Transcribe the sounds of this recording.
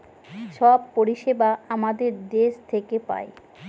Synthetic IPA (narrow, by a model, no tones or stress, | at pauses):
ʃɔb̚poɾiʃebaamad̪eɾd̪eʃt̪ʰekepa̰e